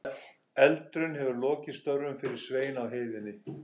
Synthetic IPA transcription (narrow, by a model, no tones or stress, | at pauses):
ɛlt̪ɾʏnhɛvʏɾlɔːcɪ̥st̪œɾːʏmfɪɾɪɾ̥sveːjnawɦeːjvɪnːɪ